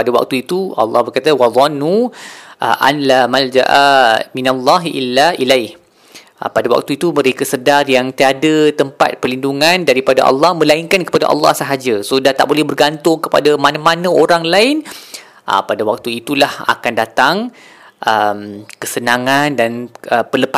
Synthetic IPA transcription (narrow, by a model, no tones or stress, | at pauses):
padawa̰k̚t̪uit̪uɑ̰lːɑ̰hbərkat̪awɑðˤɑnːuʔʔa̰nlamald͡ʒa̰ʔaminalːɑɦʔilːailajh | padawa̰k̚t̪uit̪umə̃ɾekəsədarjaŋt̪iadat̪əmpa̰t̪̚pərlinduŋandaɾipada̰ʔɑ̰lːɑhmə̃laiŋkankə̥pada̰ʔɑ̰lːɑ̰hsəɦad͡ʒasodat̪a̰ʔ̚bolɛhbərɡant̪ʊŋkəpa̰damanãmanə̃oɾaŋlaɪn | ʔə̰padawak̚t̪uit̪ulaha̰kandat̪aŋ | ʔəmkəsənãŋandanəpələpa